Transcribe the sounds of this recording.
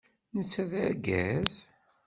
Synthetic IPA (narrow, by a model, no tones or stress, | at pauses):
nət͡sːæðæɾɡæz